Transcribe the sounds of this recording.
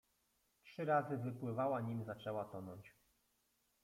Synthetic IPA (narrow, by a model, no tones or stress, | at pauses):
tʂɘɾazɘvɘpwɘvawaɲimzat͡ʂɛwat̪ɔnɔɲt͡ɕ